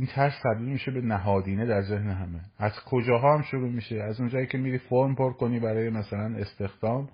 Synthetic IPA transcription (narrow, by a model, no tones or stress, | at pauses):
ʔiːnt̪ʰæɾst̪ʰæb̚d̪iːlmiːʃe̞be̞næɦɒːd̪iːned̪æɾze̞hneɦæmeæzkʰo̞d͡ʒɒːɦɒːhæmʃoɾuːmiːʃeæzund͡ʒɒːiːcʲʰe̞miːɾiːfoɾmpʰoɾko̞niːbæɾɒːjemæsælæne̞st̪e̞xd̪̥ɒːm